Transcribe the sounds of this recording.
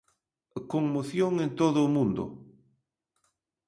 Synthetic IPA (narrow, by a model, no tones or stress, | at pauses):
koŋmoθjoŋent̪oðʊːmũnd̪ʊ̰